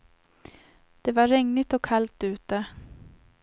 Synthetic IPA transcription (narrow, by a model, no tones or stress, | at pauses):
d̪̥ɛvaːɛŋnɪt̪ɔkʰːalt̪ʉ̟ːt̪ə